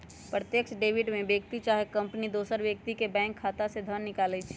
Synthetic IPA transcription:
pɾət̪jəkʃɖeːʋɪɖmẽbjək̚t̪it͡ʃaːɦekɐ̃mpnid̪oːsəɾʋjək̚t̪ikebɛ̃ːŋkʰːaːt̪ased̪ʱənːɪkaːlet͡ʃʰː

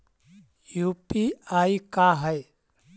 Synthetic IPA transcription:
juːpiaːikaɦɛj

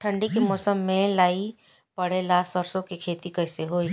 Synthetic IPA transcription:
ʈʰə̃ɳɖikemɔːsəmːẽlaːi | pɐɽelaːsəɾsõkekʰeːt̪ikɐɪseɦoːi

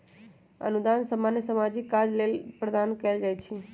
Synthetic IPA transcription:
ə̰nud̪ansəmanjəsəmad͡ʒikːad͡ʒlelpɾəd̪ankɛld͡ʒajt͡ʃʰi

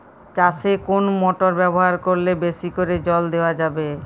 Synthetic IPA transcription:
t͡ɕasekonmɔʈoɾbɛboɦaɾkoɾlebeʃikoɾed͡ʑɔld̪eoad͡ʑabe

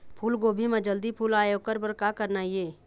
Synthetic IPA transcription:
pʰuːlɡoːbʱimẽd͡ʒəld̪ipʰuːlaːjoːkəɾpəɾkakəɾnaːieː

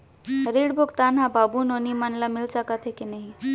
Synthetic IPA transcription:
ɾiɽbʱokt̪anɦababunonimənləmilsakət̪ʰekinəɦĩ

